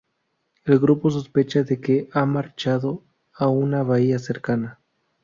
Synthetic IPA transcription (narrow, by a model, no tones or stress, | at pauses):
elɡɾupo̞s̬o̞spe̞t͡ʃaðe̞keʔamaɾt͡ʃaðo | aunaβaiaseɾkana